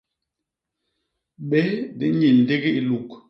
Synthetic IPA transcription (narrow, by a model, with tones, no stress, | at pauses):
ɓɛ˦di˨˦ɲi˨n̩˨de˦ɡi˦i˨lu˨k